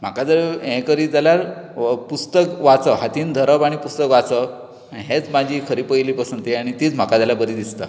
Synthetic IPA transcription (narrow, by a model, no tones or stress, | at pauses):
m̤akad͡zəɾɦɛ̃kəɾid͡zaljaɾpust̪əkʋat͡səɦat̪iːnd̪ʱəɾəbaɽ̃ipust̪əkʋat͡sə | ɦet͡smad͡ʑʱiːkʰəɾiːpəjliːpəsənt̪iaɽ̃it̪iːt͡sm̤akad͡zalabəɾid̪ist̪a̰